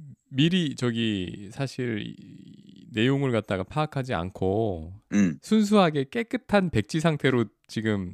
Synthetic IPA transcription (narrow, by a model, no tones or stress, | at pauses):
miɾit͡ɕʌɡisʰaɕʰiɾ̰ | ne̞joŋɯɭkat̚t͈aɡapʰaːkʰad͡ʑia̰nkʰo | sʰuns̬ʰuɦaɡe̞k͈e̞k͈ɯtʰanpe̞k̚t͡ɕ͈is̬ʰaŋtʰe̞ɾo | t͡ɕiɡɯm